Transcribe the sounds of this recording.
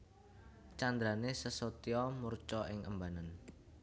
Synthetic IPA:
t͡ʃand̪ɾanesəsot̪iɔmurt͡ʃɔʔɪŋʔə̰mbanan

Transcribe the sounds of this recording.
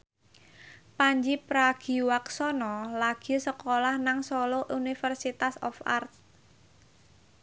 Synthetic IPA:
paɲd͡ʒipɾaɡ̥i̤waksɔnɔlaɡ̥i̤səkolahnaŋsɔloʔunifərsit̪asɔ̰fa̰rt̪̚

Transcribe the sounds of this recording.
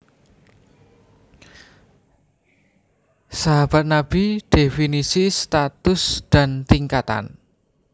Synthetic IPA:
saɦab̥a̤t̪̚nab̥iɖ̪̥efinisist̪at̪ʊsd̪̥a̤nt̪iŋkat̪a̰n

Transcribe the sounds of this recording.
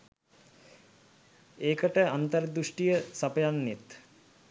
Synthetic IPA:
eːkəʈəant̪əɾd̪uʂʈijəsapəjanːet̪

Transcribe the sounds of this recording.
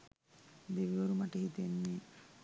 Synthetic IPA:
d̪eʋiʋoɾumaʈəhit̪enːe

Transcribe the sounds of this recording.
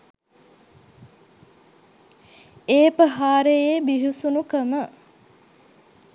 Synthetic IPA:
eːpəɦaːɾejeːbiɦusunukəmə

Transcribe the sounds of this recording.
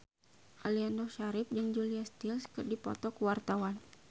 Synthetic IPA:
ʔaliandɔʃaɾɪp̚d͡ʒɨŋd͡ʒuliast̪ilskɨrdipɔ̰t̪ɔkuwart̪awan

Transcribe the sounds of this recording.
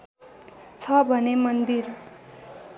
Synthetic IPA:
t͡sʰʌbʱʌnemʌnd̪ir

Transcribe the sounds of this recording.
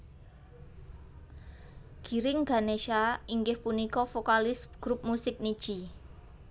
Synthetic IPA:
ɡ̥i̤ɾɪŋɡ̥aneʃaiŋɡɪhpunikɔfokalɪsɡ̥ɾup̚musɪk̚nid̥ʒ̥i

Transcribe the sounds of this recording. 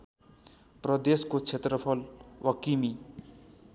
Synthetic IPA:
prʌd̪eskot͡sʰet̪rʌpʰʌlwʌkimi

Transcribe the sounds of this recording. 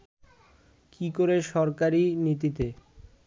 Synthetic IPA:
kikoɾeʃɔɾkaɾinit̪̬it̪e

